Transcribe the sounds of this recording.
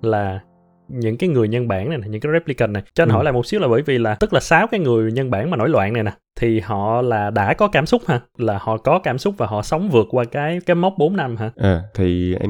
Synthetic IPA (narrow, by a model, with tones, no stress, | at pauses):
laː˨˩ | ɲɨ̰˧˥ŋkaː˨˦jŋɨ˨˩əjɲə˧nɓa̰ː˧˩na˨˩jna˨˩ɲɨ̰˧˥ŋkːaː˨˦ɛ˦˥p̚li˧kə˨˩nːa˨˩jt͡ɕɔ˧nɦɔ̰˧˩jlaː˨˩mo˨˩t̚si˦˥əwlaː˨˩ɓə̰ː˧˥˦jvi˨˩laː˨˩t̪ɨ˦˥k̚laː˨˩saː˨˦wkaː˨˦jŋɨ˨˩əjɲə˧nɓaː˧˩nmaː˨˩no̰˧˦jlwa̰ː˧˨na˨˩jnaː˨˩t̪ʰi˨˩hɔ̰˧˨laː˨˩ɗa̰ː˧˥kɔ˨˦kaː˧˩msʊ˦˥k͡p̚haː˧laː˨˩hɔ̰˧˨kɔ˨˦kaː˧˩msʊ˦˥k͡p̚vaː˨˩ɦɔ̰˧˨sə˨˦wŋ͡mvɨ˨˩ək̚kːwaː˧kaː˨˦jkaː˨˦jmə˦˥k͡p̚ɓo˨˦nna˧mɦaː˧˩ʔaː˨˩t̪ʰi˨˩ʔɛ̰˧